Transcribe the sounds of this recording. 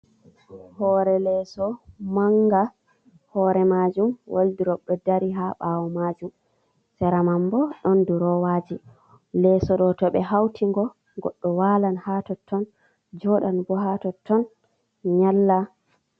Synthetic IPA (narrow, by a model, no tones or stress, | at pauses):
hɔɾɛlɛsɔmaŋɡa | hɔɾɛmad͡ʒumwʔo̰ldiɾɔɗːɔdaɾiɦaɓawɔmad͡ʒum | sɛɾamambɔɗɔnduɾɔwaːd͡ʒi | lɛsɔɗɔtɔɓɛɦawtʰiŋɡɔ | ɡɔ̰ɗːɔwaːlanhatɔtʰːɔn | d͡ʒɔɗanbɔɦatɔtʰːɔn | ɲalːa